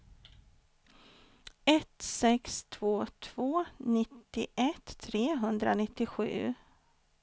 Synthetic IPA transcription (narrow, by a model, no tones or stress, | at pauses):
ɛt̪sɛkst̪ʰv̥oːt̪ʰv̥oːnɪt̪ːɪʔɛt̪ʰːɾeːɦɵnd̪ɾa̰nɪt̪ːɪɧʉ̟ː